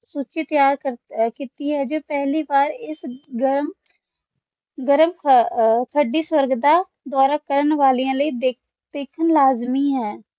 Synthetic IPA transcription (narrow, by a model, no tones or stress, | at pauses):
suːt͡ʃiːt̪əjaːɾəkit̪iːɦɛːd͡ʒoːpɛɦliːbaːɾɪsɡəɾm | ɡəɾəmʰ | t̪ʰəɖiːswəɾɡd̪aː | d̪waːɾaːkəɾənʋaːlijãːləiːd̪e | d̪̥eːkʰənlaːzmiːɦɛː